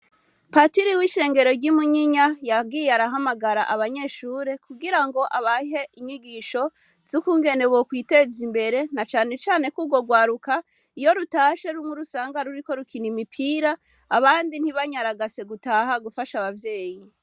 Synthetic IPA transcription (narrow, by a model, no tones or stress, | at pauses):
patiɾiwiʃe̞ːŋɡe̞ɾo̞ɾɟimuɲiɲajab̚ɡiːjeaɾaɦamaɡaɾaʔaβaɲe̞ːʃuːɾe̞kuɡiɾaŋɡo̞ʔaβaɦe̞ʔiɲiɡiʃo̞ | z̥ukuːŋɡe̞ne̞βokwiːte̞zimbe̞ɾe̞nat͡ʃaːne̞t͡ʃaːne̞kuːbɡo̞ɡwaːɾuka | ijo̞ɾutaːʃe̞ɾumuɾusaːŋɡaɾuɾiko̞ɾukʰinimipʰiːɾaː | βaːndin̥hiβaɲaɾaɡase̞ɡutaːɦaɡufaʃaβavje̞ːji